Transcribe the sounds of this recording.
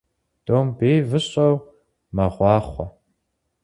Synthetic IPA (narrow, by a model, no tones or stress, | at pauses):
d̥oːmbeːvɨɕʼɐw | mɐʁʷɑːχʷɔ